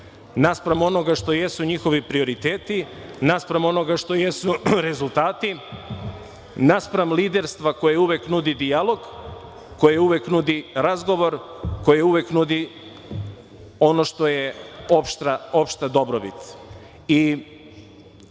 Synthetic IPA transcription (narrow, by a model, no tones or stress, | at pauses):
naspɾamo̞noɡaʃt̪o̞jesuɲixo̞ʋipɾio̞ɾit̪eːt̪i | naspɾamo̞no̞ɡaʃt̪o̞jesuɾe̞zulˠt̪aːt̪i | naspɾamlid̪eɾst̪ʋako̞jeuʋeknud̪id̪ialˠo̞ɡ | ko̞jeeuʋeknud̪iɾazɡo̞ʋo̞ɾko̞jeeuʋeknud̪i | o̞no̞ʃt̪o̞jeopʃt̪ao̞pʃt̪ad̪o̞bɾobit̪ | i